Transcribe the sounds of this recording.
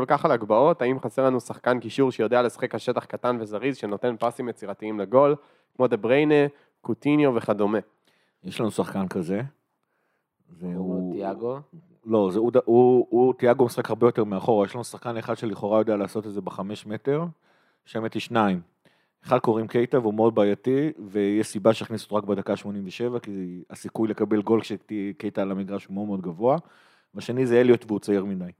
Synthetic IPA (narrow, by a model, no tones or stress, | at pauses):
kolkaχalaɡbao̞t̪aimχaseʁlanusaχkankiʃuʁʃejo̞dealesḁχe̞khaʃe̞taχkatanvezaʁizʃeno̞t̪e̞npasimjet͡siʁatiimleɡo̞l | kmo̞d̪ebʁejne | kut̪injo̞ve̞χad̪ome̞ | jeʃlanusaχkankaze̞ | zeuiaɡo | lozeud̪auutiaɡomisχakhaʁbe̞jo̞t̪e̞ʁmeaχo̞ʁajeʃlanusḁχkaneχad̥̪ʃeliχo̞ʁajo̞d̪ealaːso̞tedzebeχame̞ʃme̞te̞ʁ | ʃemet̪iʃnaim | eχad̪̚ko̞ʁimke̞jtaveumeo̞d̪̚baːjativejeʃsibaʃeaχniso̥tʁakbed̪akaʃmo̞nimveʃe̞vakiasikujlekabe̞lɡo̞lkʃetikejtalamiɡʁaʃhumeodmeo̞d̪ɡavo̞a | vaʃenizejelijotveut͡saiʁmidaj